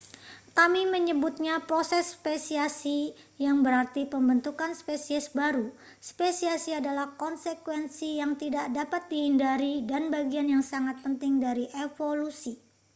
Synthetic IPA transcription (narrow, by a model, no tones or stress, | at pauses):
kamiməɲəbut̪̚ɲapɾosɛsːpesiasi | jaŋbəɾart̪ipəmbənt̪ukanspesiɛsbaɾu | spesiasiadalahkɔnsekwɛnsijaŋt̪idaʔdapat̪̚dihindaɾidanbaɡianjaŋsaŋat̪̚pənt̪ɪŋdaɾiʔefolusi